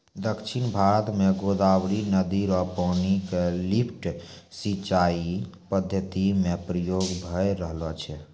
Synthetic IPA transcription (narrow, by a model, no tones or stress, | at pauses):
d̪əkt͡ʃʰinbʱaɾət̪meɡod̪awɾinəd̪iɾɔpənikelipʰʈ | sit͡ʃai | pəd̪ʱjət̪imepɾəjoɡbʱəjɾəɦlɔt͡ʃʰɛ